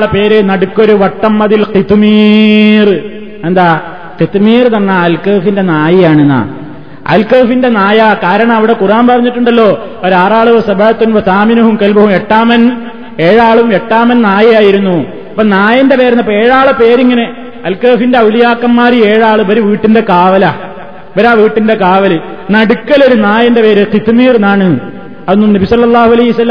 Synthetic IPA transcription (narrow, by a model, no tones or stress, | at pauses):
ɭɐpe̞ːɾenɐɽukːo̞ɾuʋɐʈːɐmːɐðilqit̪miːr | end̪aː | qit̪miːrt̪ɐnːɐɐlkɐːfinde̞naːjijaːɳenːɐ̰ | ʔɐ̰lkɐːfinde̞naːjɐkaːɾɐɳɐmɐʋiɽe̞kuraːmpɐrɐɲːiʈːuɳɖɐlːo̞ː | oɾaːraːɭuʋɐsɐbɐɻɐt̪ːunʋɐsaːminɐɦumkɐlbɐɦumeʈːaːmɐn | e̞ːɻaːɭumeʈːaːmɐnnaːjɐjaːjiɾunːu | ɐpːɐnaːjɐnde̞pe̞ːɾɐnːɐpːeeːɻaːɭɨpe̞ːɾiŋːɐne | ɐlkɐːfinde̞ulijaːkːɐmːaːɾieːɻaːɭɨʋɐɾuʋiːʈːinde̞kaːʋɐlɐ | ʋɐɾaːʋiːʈːinde̞kaːʋɐlɨ | nɐɽukːɐlo̞ɾunaːjɐnde̞pe̞ːɾɨqit̪miːrnaːɳɨ | ɐðnːumnɐbisɐlːɐlˠˤːaːɦuɐlɐjɦiɐsɐlːɐm